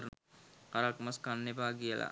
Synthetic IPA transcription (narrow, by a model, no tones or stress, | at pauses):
ɾ | aɾakmaskanːepaːɡiəla̰